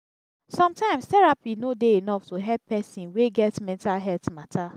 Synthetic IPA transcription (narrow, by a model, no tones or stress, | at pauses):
sɔ̃mtãɪ̃mstɛɹapinodeinɔftoɦɛlpːɛsĩnweɡɛtmɛ̃ntalɦɛltmatʰa